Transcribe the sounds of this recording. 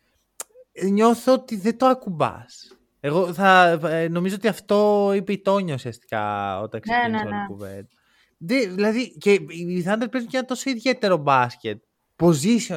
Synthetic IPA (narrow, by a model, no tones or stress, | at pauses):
ɲo̞θoot̪iðet̪oɐkubɐ̰s | e̞ɣo̞θɐno̞mizo̞ot̪iɐft̪o̞ipeit̪o̞ɲɐusiɐst̪i̥kɐ̰o̰t̪ɐksikuvḛnd̪ | ðeðilɐðiceiθɐnd̪elpezucenɐt̪o̞so̞iðʝe̞t̪e̞ɾo̞bɐscet̪̚ | po̞zisio